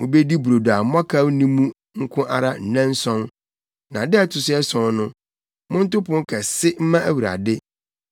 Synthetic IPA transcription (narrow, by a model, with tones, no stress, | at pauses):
mʊ̃˨be˦di˦bu˨ɾo˨da˨˦mɔ̃˦kʰa˦wnĩ˦mũ˦ | ŋ̩˦kʰʊ̃˦ʔa̰˨ɾa˦n̩˨nɛ̃˦n˦sɔ̃˦n | nã˨dɪ˦ɛ˦tʰʊ˨sɪ˦ɛ˦sɔ̃˨nʊ̃˦ | mʊ̃˦n̩˦tʊ˦pʊ̃˦ŋ˦kʰɛ˨sɪ˦m̩˦mã˦æ˦wu˨ɾa̰˨dɪ˦